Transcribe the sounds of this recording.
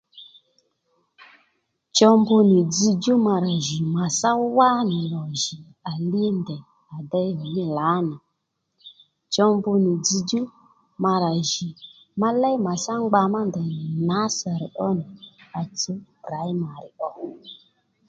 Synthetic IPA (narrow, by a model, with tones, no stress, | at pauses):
t͡ʃɔ˧mbʊ˧nɪ˨d͡zi˧d͡ʒu˦ma˧ɾa˨ʒi˨ma˨sa˦wa˦nɪ˨lɔ˨ʒi˨ | a˨li˦ndɛ˨ | a˨dɛ˦ɦɔ˨nɪ˦la˨˦na˨ | t͡ʃɔ˧mbʊ˧ni˨d͡zi˧d͡ʒu˦ | ma˧ɾa˨ʒi˨ | ma˦lɛ˦jma˨sa˦ŋ͡mɡ͡ba˧ma˦ndɛ˨n˨na˨˦sa˨ɾi˨ʔɔ˦ni˨a˨t͡so˦ | ɾa˨˦jma˨ɾɪ˨ʔɔ˦